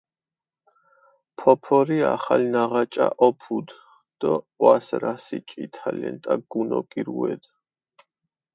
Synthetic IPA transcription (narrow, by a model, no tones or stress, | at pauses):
pʰɔpʰɔɾiaχalinaʁat͡ʃʼaʔɔpʰud̪ | d̪̥ɔ | wasɾasit͡ʃʼit̪ʰalɛnt̪ʼaɡunɔɡiɾuɛd̪